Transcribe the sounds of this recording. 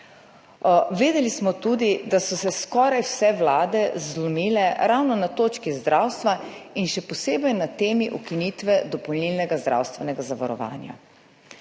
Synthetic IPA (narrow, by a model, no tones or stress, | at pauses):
ʋeːd̪ɛlismɔt̪uːd̪id̪asɔsɛskɔːɾajwsɛʋlaːd̪ɛzlɔmiːlɛɾawnɔnat̪oːt͡ʃkizd̪ɾʔawst̪ʋainʃɛpɔseːbɛjnat̪eːmiʔukinit̪ʋɛd̪ɔpɔwlnilnɛɡazd̪ɾʔa̰wst̪ʋɛnɛɡazaʋaɾɔ̰ʋa̰ːnja̰